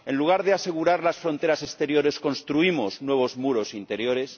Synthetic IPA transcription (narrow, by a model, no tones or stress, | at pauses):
e̞nluɣ̞aɾðease̞ɣ̞uɾaɾlasfɾo̞nt̪e̞ɾasest̪e̞ɾjo̞ɾe̞sko̞nst̪ɾuimo̞znwe̞β̞o̞zmuɾo̞sint̪e̞ɾjo̞ɾe̞s